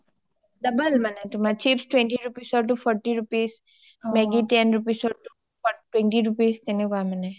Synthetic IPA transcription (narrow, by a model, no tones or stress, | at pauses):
ɖɐbəlmɐneʈumat͡ʃipsʈwẽɳʈiɾupiːsɔɾʈ̬ufʰɔɾʈiɾupiːs | meɡiʈenɾupiːsɔɾʈu | ʈwẽɳʈiɾupiːst̪enekuamɐne